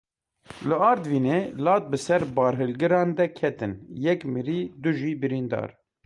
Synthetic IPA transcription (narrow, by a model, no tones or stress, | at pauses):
lɨɑːɾd̪viːneːlɑːt̪̚bɨsɛɾbɑːɾɦɨlɡɨɾɑ̃ːnd̪ɛkʰɛt̪ɨnjɛkmɨɾiːd̪uʒiːbɨɾiːnd̪ɑ̰ːɾ